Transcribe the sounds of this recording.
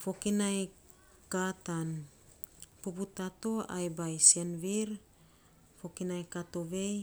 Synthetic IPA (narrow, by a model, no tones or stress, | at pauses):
fo̞kinaj | katan | puputato̞a̰jbajsenviɾ | fo̞kinajkato̞βe̞j